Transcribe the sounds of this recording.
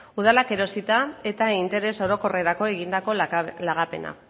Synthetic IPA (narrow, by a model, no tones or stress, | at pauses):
uð̞alake̞ɾo̞sit̪ae̞t̪aint̪e̞ɾe̞so̞ɾo̞ko̞re̞ɾako̞e̞ɣind̪ako̞laɣape̞na̰